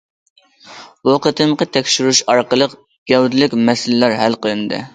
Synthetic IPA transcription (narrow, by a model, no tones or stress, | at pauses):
uqət̪ʰɨmqət̪ʰɛkʲʃyɾuʃɑɾqəlˠəq | ɡ̥ʲɛwd̪ɪlɪkʲmɛsɪllæɾɦælqəlˠɨnd̪ɨ̰